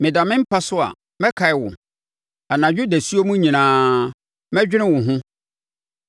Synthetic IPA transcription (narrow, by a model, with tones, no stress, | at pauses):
mɪ̃˨da˨mɪ̃˦m̩˦pʰa˦sʊ˦a̰˨ | mɛ̃˦kʰa˨ɪ˨wʊ̰̃˨ | a˨nã˨d͡ʑᶣu˦dæ˨su˦o˦mũ˦ɲĩ˨nãː˨˦ | mɛ̃˦d͡ʑᶣɪ˦ɾɪ̃˦wʊ̃˨ɦʊ̃˦